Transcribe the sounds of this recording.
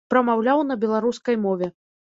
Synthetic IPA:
pɾɐmawlʲawnɐbʲɛlˠaɾuskɐjmɔvʲɛ

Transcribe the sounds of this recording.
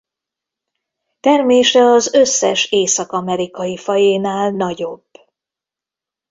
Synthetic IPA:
t̪ɛrmeːʃɛɒzøsːɛʃeːsɒkɒmɛɾikɒjifɒjeːnaːlnɒɟo̞b̥

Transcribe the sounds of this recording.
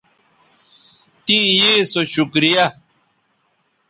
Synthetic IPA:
t̪ĩjisoɕukɾija

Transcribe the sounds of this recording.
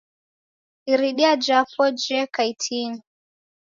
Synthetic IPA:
iɾiɗiad͡ʒapɔd͡ʒɛkaitʰini

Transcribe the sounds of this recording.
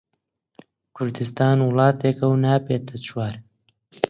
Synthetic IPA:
kʰʊɾd̪ɨst̪aːnwʊlˠɑːt̪eːkɐwnaːpeːt̪ʰɐt͡ʃʰwaːɾ

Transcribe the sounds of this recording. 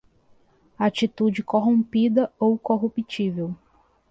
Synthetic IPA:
at͡ʃit̪ud͡ʒɪkoɦõmpid̪ɐowkoɦupit͡ʃivew

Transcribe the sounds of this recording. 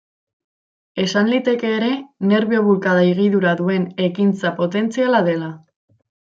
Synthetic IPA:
e̞sanlit̪e̞ke̞ːɾe̞ne̞ɾβioβulkaðaiɣiðuɾaðue̞ne̞kint͡sapo̞t̪e̞nt͡sialaðe̞la

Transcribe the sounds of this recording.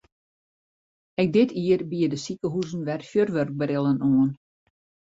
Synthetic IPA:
ɛk̚dɪtʰiərbiədəsikəɦuzn̩ʋɛrfjørʋørɡ̚bəɾɪlˠənoən

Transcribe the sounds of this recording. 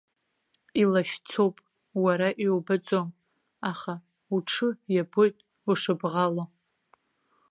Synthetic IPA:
ilaʃt͡sʰowpʼ | waɾaʔiwbat͡sʼom | aχa | uʈ͡ʂʰɨjabojtʼ | uʂɨbʁalo

